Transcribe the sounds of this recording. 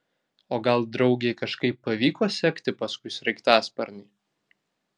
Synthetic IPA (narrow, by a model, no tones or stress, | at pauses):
oːɡɐlˠd̪ɾɒʊɡʲeɪkɐʃkɐɪpːɐʋʲiːkoːsʲɛkt̪ʲɪpɐskʊɪsʲɾʲɛɪkt̪ɑːspɐɾʲnʲɪː